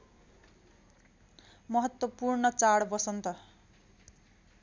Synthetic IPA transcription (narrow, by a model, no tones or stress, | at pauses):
mʌɦʌt̪wʌpurɳʌt͡saɽbʌsʌnt̪ʌ